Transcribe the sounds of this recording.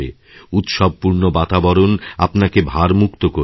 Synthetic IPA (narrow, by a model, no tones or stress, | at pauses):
ḛ | ut̪ʃɔb̚puɾnobat̪abɔɾonapnakebʱaɾmukt̪oko